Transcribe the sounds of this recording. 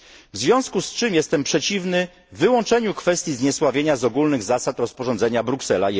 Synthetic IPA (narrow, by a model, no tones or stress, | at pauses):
vzvʲjɔ̃skust͡ʂɘmjɛst̪ɛmpʂɛt͡ɕivnɘː | ɘwɔ̃nt͡ʂɛɲukfɛst̪jizɲɛswavʲjeɲazɔɡulnɘɣzasat̪ɾɔspɔʐɔnd̪zɛɲabɾuksɛla